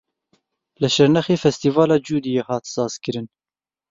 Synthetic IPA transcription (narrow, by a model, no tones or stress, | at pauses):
lɨʃɛɾnɛxeːfɛst̪iːvɑːlɑːd͡ʒuːd̪ijeːhɑːt̪sɑːz̥kɨɾɨn